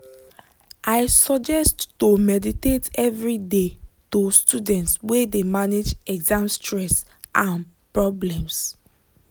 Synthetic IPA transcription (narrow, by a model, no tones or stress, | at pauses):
ʔaɪsɔd͡ʒɛsttomɛditetɛvɹidetostudɛ̃ntswedemaned͡ʒɛɡzãmstɹɛs | ʔãn | pɹɔblɛ̃ms